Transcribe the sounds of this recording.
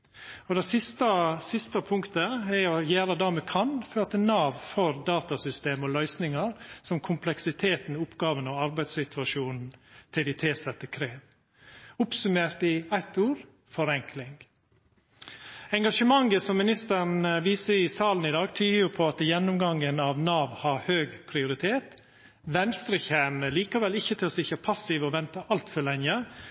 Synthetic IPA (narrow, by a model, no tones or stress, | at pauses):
ɔd̪ɛsɪst̪ɑsɪst̪əpʰʊŋkt̪əɛɾɔjæːɾəd̪ɑːmɛkʰɑnføːt̪ənɑːʋfɔɾd̪ɑːt̪ɑsʏst̪eːmɔlœʏsnɪŋɑɾsɔmkʰʊmpʰlɛksɪt̪ʰeːt̪n̩ʊpːɡɑːʋənɑɑɾbæɪd̪sɪt̪ʰʋɑʂuːnn̩t̪ʰɪlɪt̪ʰɪːsɛt̪ːəkʰɾeːʋ | ʊpsʉmeːɾʈ̪ɪæɪt̪uːɾ | fɔɾɛŋkʰlɪŋ | ɛŋɡɑʂəmɑŋːəsɔmːɪnɪst̪ənʋiːsəɪsɑːln̩ɪd̪ɑːɡt̪ʰyːəjʊpʰɔɑt̪jɛnːʊmɡɑŋənɑʋnɑːʋhɑɾhøːɡpʰɾɪʊɾɪt̪ʰeːt̪ | ʋɛnst̪ɾɛçhæməliːkɑʋɛlɪçːət̪ʰɪlɔsɪçəpʰɑsɪʋɔʋɛnt̪ɑʔɑlt̪fœɭɛŋə